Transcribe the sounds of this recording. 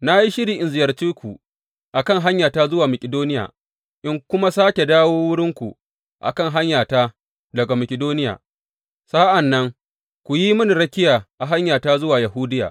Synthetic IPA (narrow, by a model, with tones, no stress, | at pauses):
na˦ji˦ʃɪ˦ɽiː˨ʔɪ˨nzɪ˨jɐ˨rt͡ʃiː˦kʷu˨ | ʔa˨kɐ˦˨ŋɦa˦ɲjaː˨taː˦zʊ˦waː˨mɐ˨kʲɪ˨doː˦nɪ˦ja̰ː˨ | ʔɪ˦ŋkʷʊ˦ma˦saː˦kʲe˨daː˦woː˦wʊ˦ɽɪ˦ŋkʷu˨ | ʔa̰˨kɐ˦˨ŋɦa˦ɲjaː˨taː˦ | dɐ˨ɡa˨mɐ˨kʲɪ˨doː˦nɪ˦ja̰ː˨ | saː˦ʔa˨nːɐ˦ŋ | kʷu˨ji˦mʊ˦ni˨ɾɐ˦kʲɪ˦jaː˨ʔa˨ɦa˦ɲjaː˨taː˦zʊ˦waː˨jɐ˨ɦuː˦dɪ˦ja̰ː˨